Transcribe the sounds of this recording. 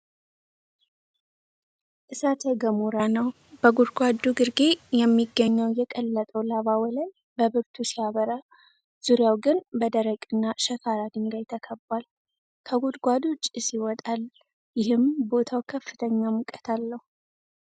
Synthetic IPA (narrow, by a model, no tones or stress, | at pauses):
ʔɨsat̪ʰeɡəmuɾanəw | b̥əɡud̪ɡʷad̪uɡɨɾɡejɛmːiɡːəɲːəwjɛkʼəlːət̪ʼəwlaβawɔləj | bəβɨɾt̪ʰusijaβəɾa | z̥uɾjawɡɨnbəd̪əɾəkʼɨnːaʃəkʰaɾad̪ɨŋɡajt̪ʰəkʰəbːal | kʰəɡud̪ɡʷad̪t͡ʃʼːɨsiwɔt̪ʼal | jɪhɨmbo̞t̪ʰawkʰəfːɨt̪ʰəɲːamukʼət̪ʰalːəhu